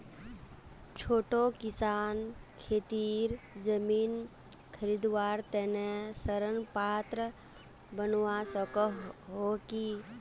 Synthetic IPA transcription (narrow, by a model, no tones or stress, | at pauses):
t͡ʃʰoːʈõkɪsaːnkʰeːt̪iːɾ | d͡ʒəmiːn | kʰəɾid̪waːɾt̪ɛːnesəɾənpaːt̪ɾə | bənwasəkəɦoki